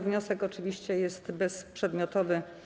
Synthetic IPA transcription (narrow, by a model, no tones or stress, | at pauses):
vɲɔsɛkɔt͡ʂɘvʲiɕt͡ɕɛjɛst̪bɛspʂɛd̪mʲjɔt̪ɔvɘ